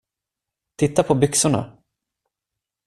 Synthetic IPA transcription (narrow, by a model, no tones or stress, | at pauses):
t̪ʰɪt̪ːapʰɔbʏksʊɳa̰